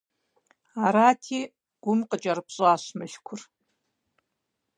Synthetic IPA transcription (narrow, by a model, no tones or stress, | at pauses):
aɾaːtʰiː | ɡ̥ʷʊmqʼəd͡ʒʼɐrɨpɕʼaːɕmɨɬkʷʰʊr